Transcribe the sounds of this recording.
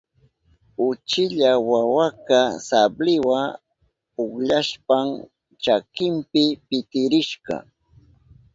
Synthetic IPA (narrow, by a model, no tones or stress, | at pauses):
ʊt͡ʃɪʎawawakasablɪwa | ʊχʎaʃpam | t͡ʃakɪmpɪpɪt̪ɪɾɪʃɢɑ̰